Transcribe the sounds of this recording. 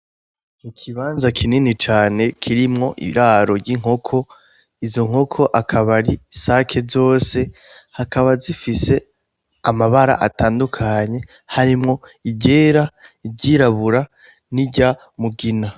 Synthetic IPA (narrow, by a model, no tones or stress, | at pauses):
ikʰiβaːnzakʰininit͡ʃaːne̞kʰiɾimŋo̞ʔḭɾaːɾo̞ɾɟiŋ̥ho̞kʰo̞ | izo̞ŋ̥ɦo̞kʰo̞ʔakʰaβaɾisakʰe̞zo̞ːse̞ | hakaβazifise̞ | amaβaɾa̰ʔataːndukʰaɲe̞ | haɾimŋo̞iɟeːɾaibɟiɾaβuɾa | niɟa | muɡina